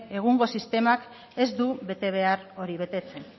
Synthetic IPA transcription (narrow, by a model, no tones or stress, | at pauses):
e̞ɣ̞uŋɡo̞sist̪e̞mak | e̞zd̪uβe̞t̪e̞β̞e̞aro̞ɾiβ̞e̞t̪e̞t͡se̞n